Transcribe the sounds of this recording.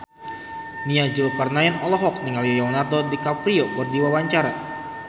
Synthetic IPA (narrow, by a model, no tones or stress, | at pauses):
niad͡ʒulkarnaɛnɔlɔɦɔk̚niŋalijɔonart̪ɔdikapɾiɔbərdiwawaɲt͡ʃaɾa